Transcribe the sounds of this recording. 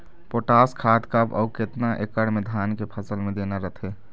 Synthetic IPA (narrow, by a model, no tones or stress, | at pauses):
poːʈaːskʰaːt̪kabɔ̰ːkɪt̪naʔekəɽmẽd̪ʱaːnkepʰəsəlmẽd̪eːnaɾət̪ʰeː